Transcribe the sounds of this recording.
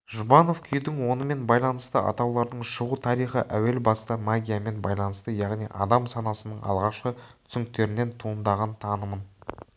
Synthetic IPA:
ʒubɑno̞fkʲʰʏjd̪ɪŋwo̞nəme̞nbɑjlˠɑn̪əst̪əʔɑ̰t̪ɑwlˠɑɾd̪əɴʃəʁut̪ʰɑɾijχə̰ʔæwe̞lbɑst̪ɑmaɡʲijame̞nbɑjlˠɑnəst̪əjɑʁnijʔɑ̰d̪ɑmsɑnɑsənəɴɑ̰lˠʁɑqʃqət̪ʰʏ̥sɪŋk̚t̪e̞ɾɪne̞nt̪ʰuːənd̪ɑʁɑnt̪ʰɑnəmən

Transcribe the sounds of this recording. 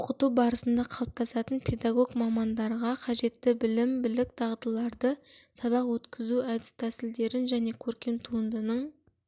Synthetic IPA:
ʊqət̪ubɑɾəsənd̪ɑqʰɑlˠəp̚t̪ʰɑsɑt̪ənpʲʰe̞d̪ɑɡo̞ɡmɑmɑnd̪ɑɾʁɑqʰɑʒe̞t̪ːɪbɪlɪmbɪlɪk̚t̪ʰɑʁd̪əlˠɑɾd̪əsɑβɑqwɵt̪kʲʰɪzuæd̪ɪst̪ʰæsɪld̪e̞ɾɪnʒæne̞kʲʰɵɾkʲe̞nt̪ʰuənd̪ənəɴ

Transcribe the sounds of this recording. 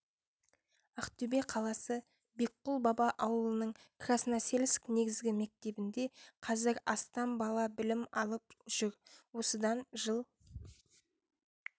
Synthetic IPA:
ɑqt̪ybeqʰɑlˠɑsə | be̞k̚qːʊlˠbɑbɑʔɑwəlˠənəɴkʰrasənɑse̞lskne̞ɡʲɪzɡʲɪme̞k̚t̪e̞bɪnd̪e̞qʰɑzɪɾɑst̪ɑmbɑlˠɑbɪlɪmɑlˠəpʒ̥ʏɾwo̞səd̪ɑnʒəlˠ

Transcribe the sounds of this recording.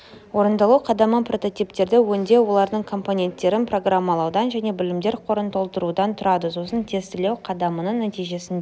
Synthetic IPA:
wo̞ɾənd̪ɑlˠuqʰɑd̪ɑməpro̞t̪o̞t̪ijpt̪e̞ɾd̪ɪwɵnd̪e̞wo̞lˠɑɾd̪əɴkʰo̞mpo̞nʲe̞nt̪ːe̞ɾɪnpro̞ɡramːɑlˠɑwd̪ɑnʒæne̞bɪlɪmd̪e̞ɾqʰo̞ɾənt̪ʰo̞lˠt̪əɾud̪ɑnt̪ʰʊɾɑd̪əso̞sənt̪ʰe̞st̪ɪlewqʰɑd̪ɑmənəɴnæt̪ijʒe̞sɪnd̪e

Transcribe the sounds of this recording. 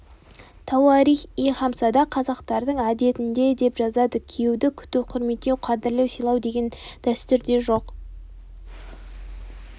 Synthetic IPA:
t̪ʰɑwɑɾijχijχɑmsɑd̪ɑqʰɑzɑqt̪ɑɾd̪əɴæd̪e̞t̪ɪnd̪e̞d̪e̞pʒɑzɑd̪əkʲʰijewd̪ɪkʲʰʏ̥t̪ɪwqʰʊɾme̞t̪ːewqʰɑd̪ɪɾlˠewsijlˠɑwd̪e̞ɡʲe̞nd̪̥æst̪ʏɾd̪e̞ʒo̞q

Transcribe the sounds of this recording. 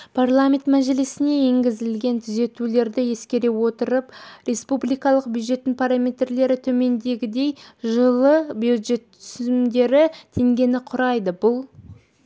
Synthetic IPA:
pʰarlˠamʲe̞nt̪mæʒelesɪne̞e̞ŋɡʲɪzɪlɡʲe̞nt̪ʰʏze̞t̪ule̞ɾd̪ɪje̞skʲe̞ɾe̞wo̞t̪əɾəprʲe̞spublijkɑlˠəq̚bʲjud̪ʒe̞t̪ːɪŋpʰaɾamʲe̞t̪rle̞ɾɪt̪ʰɵme̞nd̪e̞ɡʲɪd̪e̞jʒəlˠəbjud̪ʒe̞t̪ʰʏʏzɪmd̪e̞ɾɪt̪ʰe̞ŋɡʲe̞nɪqʰʊɾɑjd̪əbʊlˠ

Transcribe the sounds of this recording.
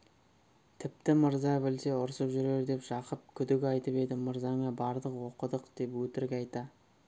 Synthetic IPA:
t̪ʰɪp̚t̪ɪməɾzɑbɪlse̞ʊɾsəpʒʏɾe̞ɾd̪e̞pʒ̥ɑqəp̚kʲʰʏd̪ɪkʲɑjt̪əpe̞d̪ɪməɾzɑŋɑbɑɾd̪əqwo̞qəd̪əqd̪̥e̞pwɵt̪ɪɾkʲɑjt̪ɑ

